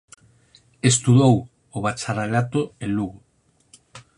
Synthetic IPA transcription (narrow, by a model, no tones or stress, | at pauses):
est̪uðow | oβat͡ʃaɾalat̪oeluɣo